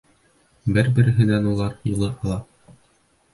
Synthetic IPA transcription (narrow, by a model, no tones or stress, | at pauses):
bɘɾbɘ̆ɾɘ̆ɦɘ̆nænulˠɑɾjɤ̆lˠɤʔɑlˠɑ